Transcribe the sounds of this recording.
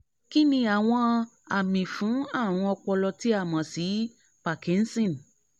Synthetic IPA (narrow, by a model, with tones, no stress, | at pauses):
ki˦nĩ˧a˨w̃ɔ̃˧ | a˨mĩ˨fũ˨˦a˦˨w̃ɔ̃˧ɔ˧k͡pɔ˧lɔ˧ti˦a˦˨mã˨si˨˦ | pa˨kĩ˨˦n̩˦sĩ˦˨n˨